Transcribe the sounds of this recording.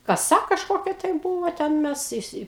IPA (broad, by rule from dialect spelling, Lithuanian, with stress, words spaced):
kɐˈsɐ kɐʃˈkoːkʲɛ tɐɪ ˈbuːʋoː ˈtʲɛn ˈmʲɛs ɪˈsʲɪ